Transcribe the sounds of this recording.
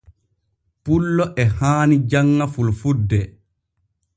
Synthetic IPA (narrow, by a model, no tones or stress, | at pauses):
pulːɔʔɛhaːnid͡ʒaŋːafulfudːɛ